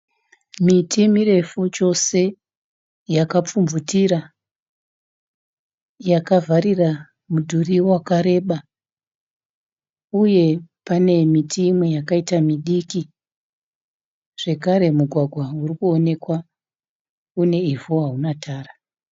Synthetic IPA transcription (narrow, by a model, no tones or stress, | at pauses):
mitʰimiɾe̞fut͡ʃo̞se̞ | jakap͡fumvutiɾa | jakavʱaɾira | mudʱuriwakaɾe̞ɓa | uje̞pane̞mitʰimwejakaitamiɗiki | ʐ̥e̞kaɾe̞muɡʱwaɡʱwaurikuone̞kwa | une̞ivoɦaunatʰaːra